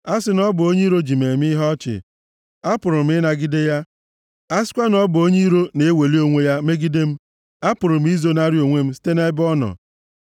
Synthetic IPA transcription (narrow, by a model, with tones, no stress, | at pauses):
a˦sɪ˨nɔ˦bʊ˨o˦ɲe˦ɾo˦d͡ʒi˨me˨m˦i˦ɦɔ˦t͡ʃɪ̰˨ | a˦pʊ˨ɾʊ˨m̩˦ɪ˦na˨ɡi˦de˦ja˦ | a˦sɪ̥˦kʷa˦nɔ˦bʊ˨o˦ɲi˦ɾo˦ne˨˦we˨li˦o˦ŋʷe˦ja˦me˦ɡi˦de˦m̩˦ | a˦pʊ˨ɾʊ˨m̩˦i˦zo˦na˦ɾi˦o˨ŋʷe˦m̩˦si̥˦te˦ne˦bɔ˦nɔ̰˨